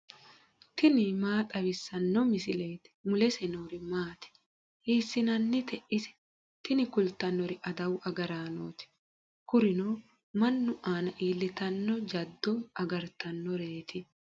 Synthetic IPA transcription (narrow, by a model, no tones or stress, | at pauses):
t̪ɪnɪmaːt̪ʼɐβɪsːɐnːɔmɪsɪle̞ːt̪ɪ̥mʊlɛsɛnoːɾɪmaːt̪ɪ̥ | ʔiːsːɪnɐnːɪt̪ɛʔɪsɛ̥ | t̪ɪnɪkʊlt̪ɐnːɔɾɪʔɐd̪ɐwɐɡɐɾaːno̰ːt̪ɪ̥ | kʊɾɪnoː | mɐnːʊʔaːnɐʔiːlːɪt̪ɐnːɔd͡ʒɐd̪ːɔɐɡɐɾt̪ɐnːɔɾe̞ːt̪ɪ